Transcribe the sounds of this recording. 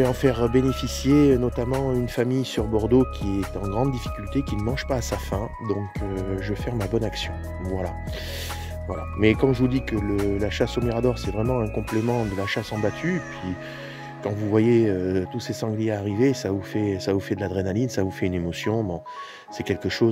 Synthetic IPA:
ɑ̃fɛʁbenefisjenɔt̪amɑ̃ynfamijsyʁbɔʁd̪okʲʰiɛt̪ɑ̃ɡʁɑ̃d̪d̪ifi̥kʲylt̪ekʲinəmɑ̃ʒpaːsafɛ̃ | d̪ɔ̃køʒəfɛʁmabɔnaksjɔ̃ | vwala̰ | vwala̰mɛkɑ̃ʒəvud̪ikələlaʃasomiʁad̪ɔʁsɛvʁɛmɑ̃ɛ̃kɔ̃plemɑ̃d̪əlaʃasɑ̃bat̪ʰyepʰɥi | kɑ̃vuvwajeøt̪usesɑ̃ɡljeaːʁivesavufɛsavufɛd̪əlad̪ʁenalinsavufɛynemɔsjɔ̃bɔ̃ | sɛkʲɛlkəʃo

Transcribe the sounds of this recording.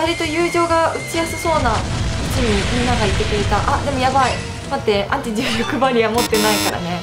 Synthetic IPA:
aɾʲit̪o̞jɯːʑo̞ːɡaɯ̟t͡ɕijasɨso̞ːnaɯt͡ɕiɲ̟imʲinːaɡait̪ːe̞kɯɾet̪aʔad̪e̞mo̞jabai | mat̪ːe̞ʔãɲt͡ɕid͡ʑɨːɾokɯ̟baɾʲiamo̞t̪ːe̞naikaɾa̰ne̞

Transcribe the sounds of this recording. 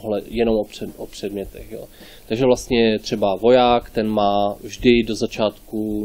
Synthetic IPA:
ɦlɛjɛno̞mʔoprɛʔopr̝̥ɛdmɲɛt̪ɛxjo̰ː | t̪aɡʒɛvlast̪ɲɛt̪r̥ɛbavo̞jaːkt̪ɛnmaːvʒdɪdo̞zat͡ʃaːt̪ku

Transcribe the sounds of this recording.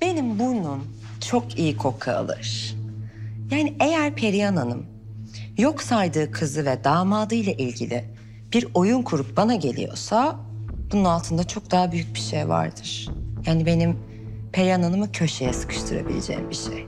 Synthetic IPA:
b̥e̞nimbunun | t͡ʃʰo̞kʰijikʰo̞kʰa̰ːlˠɯ̰ɾ̥ | jaːniʔejæɾpʰe̞ɾiananɯm | jo̞ksajd̪ɯːkʰɯzɯvɛd̪aːmaːd̪ɯjlˠaʔilʲɟilʲi | b̥iɾo̞junkʰuɾup̚banaɟe̞lʲḭjo̞̰sab̥ununalˠt̪ʰɯnd̪at͡ʃʰo̞k̚d̪aɦabyjyc̚biʃejva̰ɾd̪ɯɾ̥jaːnibe̞nim | pʰeɾiananɯmɯcʰø̞ʃe̞jɛsɯ̥kʰɯ̥ʃt̪ʰɯɾa̰bḭlʲḛd͡ʒḛːḭmbiʃḛj

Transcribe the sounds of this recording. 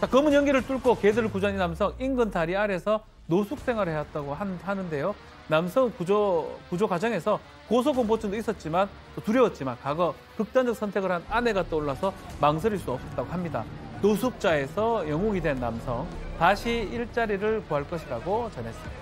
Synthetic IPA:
t͡ɕakʌmɯnjʌŋɡiɾɯɭt͈uɭk͈ʰokedɯɾɯɭkud͡ʑʌninamsʰʌŋinɡɯntaɾiaɾe̞sʰʌ | nosʰuk̚s͈ʰe̞ŋɦwaɾɯɭhejat̚t͈aɡohaɦanɯnde̞jo | namsʰʌŋkud͡ʑokud͡ʑokwad͡ʑʌŋe̞sʰʌ | kosʰoɡompot͡ɕʰɯndois͈ʌt̚t͡ɕ͈iman | t͈otuɾjʌwʌt̚t͡ɕ͈imankaɡʌ | kɯk̚t͈and͡ʑʌk̚sʰʌntʰe̞ɡɯɾɦanane̞ɡat͈ooɭːasʰʌmaŋs̬ʰʌɾiɭs͈uʌp̚s͈ʌt͈̚aɡoɦamɲida̰nosʰuk̚t͡ɕ͈ae̞sʰʌjʌŋoŋidwe̞nːa̰msʰʌŋtaɕʰiiɭt͡ɕ͈aɾiɾɯɭkoɦaɭk͈ʌɕʰiɾaɡot͡ɕʌnɦe̞s͈ɯmid̥aa

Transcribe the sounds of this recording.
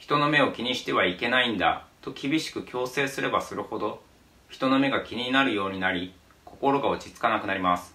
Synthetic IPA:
çi̥t̪o̞no̞me̞o̞kʲiɲ̟iɕi̥t̪e̞βaike̞naĩnd̪a̰t̪o̞kʲibʲiɕi̥kɯ̟kʲo̞ːse̞ːsɨɾe̞basɨɾɯ̟ho̞d̪o̞ | çi̥t̪o̞no̞me̞ɡakʲiɲ̟inaɾɯ̟jo̞ːɲ̟inaɾʲi | kʰo̞ko̞ɾo̞ɡaot͡ɕit͡sɨ̥kanakɯ̟naɾʲimasɨ̥

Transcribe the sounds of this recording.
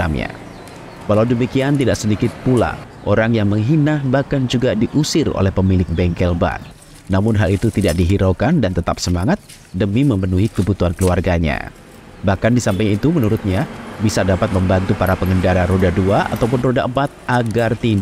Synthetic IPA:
a̰mɲa̰ | kalawdəmikiant̪idaksədikɪt̪̚pula̰ʔoɾaŋjaŋməŋɦinahbahkand͡ʒuɡadiʔusɪro̰lɛhpəmilɪk̚bɛŋkɛlba̰n | namʊnɦalit̪ut̪idak̚diɦiɾokandant̪ət̪ap̚səmaŋat̪̚ | dəmiməmənuɦikəbut̪uɦankəluarɡaɲa̰ | bahkandisampajit̪umənuɾʊt̪̚ɲabisadapat̪̚məmbant̪upaɾapəŋɡəndaɾaɾodaduaʔa̰t̪awpʊnrodaʔəmpat̪̚aɡart̪ind

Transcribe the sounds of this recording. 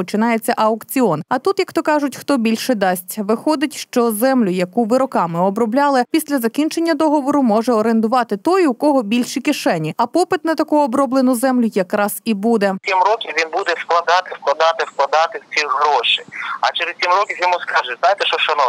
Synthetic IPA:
pɔt͡ʃɪnɑjet͡sʲːɐʔɐʊkt͡sʲiɔnɐt̪ut̪jɐkt̪ɔkɑʒʊtʲxt̪ɔbʲilʲʃɛd̪ɑsʲtʲʋɪxɔd̪ɪtʲʃt͡ʃɔzɛmlʲʊjɐkuʋɪɾɔkɑmɪɔbɾɔblʲɑlˠɪpʲisʲlʲɐzɐkʲint͡ʃenʲːɐd̪ɔɦɔʋɔɾʊmɔʒɛɔɾend̪ʊʋɑt̪ɪt̪ɔjʊkɔɦɔbʲilʲʃikɪʃɛnʲiɐpɔpɪt̪nɐt̪ɐkuɔbɾɔblˠenʊzɛmlʲʊjɐkɾɑz̥ibud̪ɛimrɔkʲiʋʲinbud̪ɛsklˠɐd̪ɑt̪ɪwklˠɐd̪ɑt̪ɪwklˠɐd̪ɑt̪ɪwt͡sʲiɦɾɔʃiɐ̰t͡ʃɛɾestt͡sʲimrɔkʲijɔmuskɑʒɛznajt̪ɛʃt͡ʃɔʃɔnɔ

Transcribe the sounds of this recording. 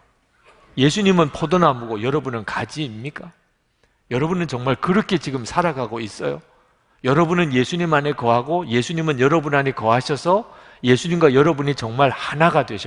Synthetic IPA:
je̞sʰuɲimɯnpʰodonamuɡojʌɾʌbunɯnkad͡ʑiːmɲik͈a | jʌɾʌbunɯnt͡ɕʌŋmaɭkɯɾʌkʰe̞t͡ɕiɡɯmsʰaɾaɡaɡois͈ʌjo | jʌɾʌbunɯnje̞sʰuɲimane̞kʌɦaɡoje̞sʰuɲimɯnjʌɾʌbunanekʌɦaɕʰʌsʰʌ | je̞sʰuɲimɡwajʌɾʌbuɲit͡ɕʌŋmaɭhanaɡadweɕʰʌ

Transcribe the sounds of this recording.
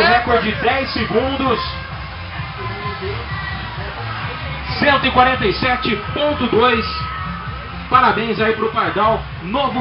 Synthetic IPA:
ɦɛkoɾd͡ʒɪd̪ɛjsɪɡũd̪ʊs | sẽnt̪ʊikwaɾẽnt̪ejsɛt͡ʃɪpõnt̪ʊd̪ojs | paɾabẽj̃zaipɾʊpaɾd̪ãw | novʊ

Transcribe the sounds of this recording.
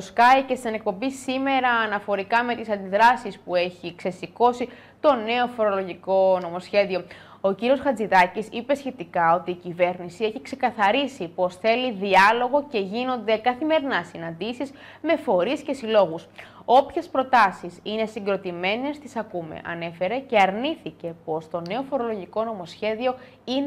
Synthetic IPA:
oskɐice̞st̪ine̞k̚po̞mbisime̞ɾɐːnɐfo̞ɾikɐme̞t̪isɐnd̪iðɾɐsispue̞çikse̞siko̞si | t̪o̞ne̞o̞fo̞ɾo̞lo̞ʝiko̞no̞mo̞sçe̞ðio̞ | o̞ciɾio̞sxɐd͡ziðɐcisipe̞sçe̞t̪ikɐo̞t̪iːcive̞ɾnisie̞çikse̞kɐθɐɾisipo̞sθe̞liðiɐlo̞ɣo̞ce̞ʝino̞nd̪e̞kɐθime̞ɾinɐsinɐnd̪isiz | me̞fo̞ɾisce̞silo̞ɣuso̞pçe̞spɾo̞t̪ɐsisine̞siŋɡɾo̞t̪ime̞ne̞st̪isɐkume̞̰ʔɐ̰ne̞fe̞ɾe̞ce̞ɐɾniθice̞po̞st̪o̞ne̞o̞fo̞ɾo̞lo̞ʝiko̞no̞mo̞sçe̞ðio̞ | in

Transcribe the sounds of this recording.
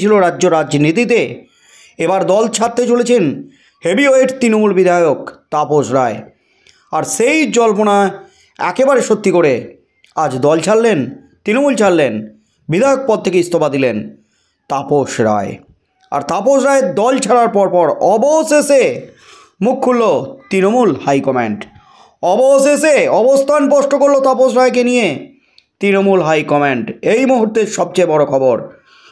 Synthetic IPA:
t͡ɕʰiloɾadːd͡ʑoɾad͡ʑd͡ʑnit̪it̪̬e | ebaɾd̪ɔlt͡ɕʰat̪ːet͡ɕolet͡ɕʰen | hebioeʈt̪ɾinomulbid̪ʱajokt̪apoʃɾae | aɾʃejd͡ʑɔlpona | ɛ̰kebaɾeʃot̪ːikoɾe | ad͡ʑd̪ɔlt͡ɕʰalːen | t̪ɾinomult͡ɕʰalːen | bid̪ʱajok̚pɔd̪̚t̪ʰːekeist̪obad̪ilen | t̪apoʃɾa̰e | a̰ɾt̪apoʃɾaeed̪ɔlt͡ɕʰaɽaɾpɔɾpɔɾɔbosese | mukʰːulːot̪ɾinomulhajkɔmḛɳʈ | ɔboseseɔbost̪ʰanpɔʃʈokoɾlot̪apoʃɾaekenije | t̪ɾinomulɦajkɔmeɳʈejmuɦuɾt̪eɾʃɔb̚t͡ɕeebɔɽokʰɔboɾ

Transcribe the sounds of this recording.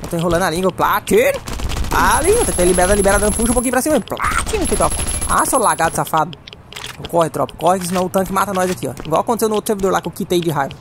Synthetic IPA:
ẽt̪oẽj̃ɦolɐ̃nalĩɡwɐplat͡ʃiɾɐalĩŋɡwɐt̪ẽt̪ẽlibeɾad̪ɐlibɛɾad̪ɐ̃d̪ʊpuʃ̬ũpokĩʊpɾɐsĩmɐplat͡ʃinũt̪ẽjt̪ɾɔpa̰solaɡad̪safad̪ʊ | kɔhɪt̪ɾɔ̰pɐ̥kɔhɪkɪs̬inɐ̃w̃ʊt̪ɐ̃kɪmat̪ɐnɔjzakiɔ̰ḭ̃ɡwawɐkõt̪esewnowt̪ɾʊseɾvid̪oɾlakewkit̪ejd͡ʒɪɦajvɐ

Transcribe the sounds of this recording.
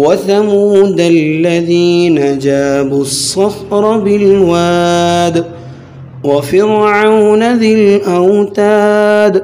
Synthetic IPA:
waθamuːd̪alːaðiːnad͡ʒaːbʊsˤːɑfɾˤɑbɪlwaːd̪ | wafɪɾʕawnaðɪlʔawt̪aːd̪

